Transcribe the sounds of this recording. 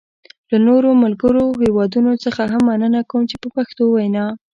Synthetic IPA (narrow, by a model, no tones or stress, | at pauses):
lanoɾomalɡəɾohewɑd̪unot͡səxaɦamːanənakawəmt͡ʃepəpaxt̪owajnɑ